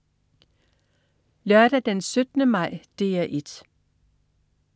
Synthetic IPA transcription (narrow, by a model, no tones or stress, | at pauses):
lœɐɾ̥æd̥ensød̥nəmɑ̈ɪ̰d̥eːæʔed̥